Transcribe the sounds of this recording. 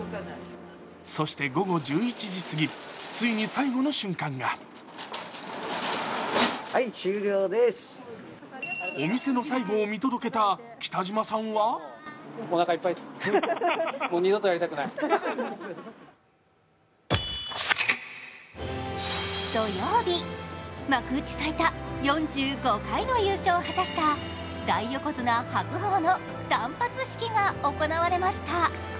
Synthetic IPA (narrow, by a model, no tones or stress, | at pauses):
so̞ɕi̥t̪e̞ɡo̞ɡo̞d͡ʑɨːit͡ɕiʑisɨɡʲit͡sɨiɲ̟isaiɡo̞no̞ɕɨ̃ŋkãŋɡa | hait͡ɕɨːɾʲoːd̪es | o̞mʲise̞no̞saiɡo̞ːmʲit̪od̪o̞ke̞t̪a | kʲi̥t̪aʑimasãɰ̃βa | onakaipːai | moːɲʲid̪ot̪o̞jaɾʲit̪akɯnai | d̪̥o̞joːbʲimakɯ̟ːt͡ɕi̥sait̪ajõ̞ɲd͡ʑɨːɡo̞kaino̞jɯ̟ːɕo̞ːhat̪aɕi̥t̪a | d̪aiːo̞ko̞zɨnahakɯ̟ɦoːno̞ | d̪̥ãmpat͡sɨɕi̥kʲiɡao̞ko̞naβaɾe̞maɕi̥t̪a